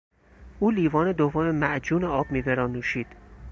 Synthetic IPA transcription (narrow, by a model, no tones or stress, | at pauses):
ʔuːliːvɒːne̞d̪ovːome̞mæʔd͡ʒuːneɒːbmiːbeɾɒːnuːʃiːd̪̥